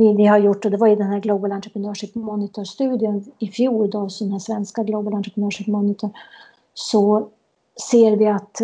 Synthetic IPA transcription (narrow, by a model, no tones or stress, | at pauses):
ɪnɪhaɾjʊʈːɔd̪ɛvajɪd̪ɛnɦæːɾɡlubalant̪ɾəpʰɾənœːʂipmɔnɪt̪ʰɔʂt̪ʉ̟ːd̪jənɪfjuːɾd̪ɑːvsinhaʂvɛnskaɡluːbalant̪ɾəpʰənœːʂipmɔnɪt̪ʰɔɾ | sɔ | seːɾvɪat̪